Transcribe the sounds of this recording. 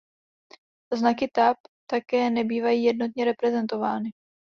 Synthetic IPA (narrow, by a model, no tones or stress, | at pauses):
znakɪt̪apt̪akɛːnɛbiːvajiːjɛdno̞t̪ɲɛɾɛpɾɛzɛnt̪o̞vaːnɪ